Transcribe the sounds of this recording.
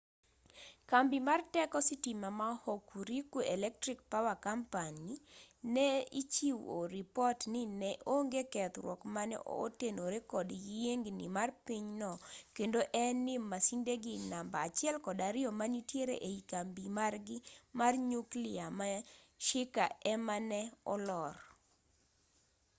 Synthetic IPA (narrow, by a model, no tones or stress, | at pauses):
kambimartɛkɔsɪtimamahokuɾikuɛlɛk̚tɾik̚pawakampaninɛit͡ʃiwo̰ɾipɔtnɪnɛʔoŋɡekɛt̪ɾwɔkmanɛ̰ʔo̰tenoɾekɔdjeŋɡnḭmarpiɲnɔkendoʔɛnɪmasindeɡɪnambaːt͡ʃɪɛlkɔdaɾɪɔmanitjeɾḛʔeikambimarɡɪmarɲukliama | ʃɪkaɛmanɛɔ̰lɔr